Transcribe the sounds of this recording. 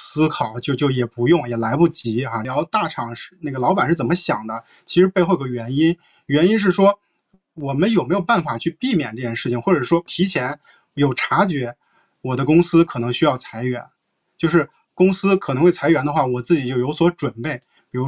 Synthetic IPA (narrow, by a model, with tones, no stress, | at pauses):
sɹ̩˥kʰɑ˨˩ʊt͡ɕjo˥˧ʊt͡ɕjo˥˧ʊjɛ˨˩pu˧˥jʊ˥˩ŋjɛ˨˩la˧˥ɪpu˥˩t͡ɕi˧˥a˥˩jɑ˥ʊt̪a˥˩ʈ͡ʂʰɑ˨˩˦ŋʂɻ̩˥˧na˥˩ɡə˩lɑ˧˥ʊpa˨˩nʂɻ̩˥˩t͡sə˨˩mə˦ɕjɑ̰˨˩ŋd̪ə˦ | t͡ɕʰi˧˥ʂɻ̩˧˥pe˥˧xo˥˩ɡɥɛ˧˥ni˥n | ɥɛ˧˥ni˥nʂ̬ɻ̩˥˩ʂwɔ˥ | wɔ˨˩mə˦njo˨˩ʊme˧˥ɪjo˨˩ʊpa˥˩nfa˨˩t͡ɕʰy˥˧pi˥˩mjɛ̰˨˩nʈ͡ʂɤ˥˧t͡ɕʰjɛ˥˧nʂɻ̩˥˩t͡ɕʰi˩ŋxwɔ˥˩ʈ͡ʂɤ˨˩ʂwɔ˥t̪ʰi˧˥t͡ɕʰjɛ˧˥n | jo˨˩ʊʈ͡ʂʰa˧˥t͡ɕɥɛ˧˥ | wɔ˨˩d̪ə˦kʊ˥ŋsɹ̩˥kʰɤ˨˩nɤ˧˥ŋɕy˥jɑ˥˩ʊt͡sʰa˧˥ɪɥɛ̰˧˥n | t͡ɕjo˥˧ʊʂ̬ɻ̩˥˩ | kʊ˥ŋsɹ̩˥kʰɤ˨˩˧xwe˥˩a˧˥ɪɥɛ˧˥nd̪ə˧xwa˥˩wɔ˨˩t͡sɹ̩˥˩t͡ɕi˨˩t͡ɕjo˥˩ʊjo˧˥ʊswɔ˧˥ʈ͡ʂwə˨˩npe˥˩ɪ | pi˨˩ɻu˧˥